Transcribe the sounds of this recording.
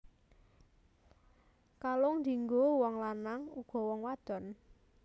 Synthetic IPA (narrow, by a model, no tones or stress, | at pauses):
kaloŋnd̪iŋɡowɔŋlanaŋuɡ̥ɔ̤wɔŋwad̪̥ɔ̤n